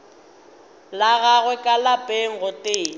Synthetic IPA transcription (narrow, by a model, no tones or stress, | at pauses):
laɣaɣwɛkʼalapʼeŋ̩ɣʊtʼeːŋ